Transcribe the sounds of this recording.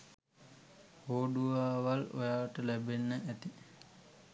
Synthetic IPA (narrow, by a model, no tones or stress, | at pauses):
hoːɖuʋaːʋalo̰jaːʋəʈəlæbenːəʔæt̪i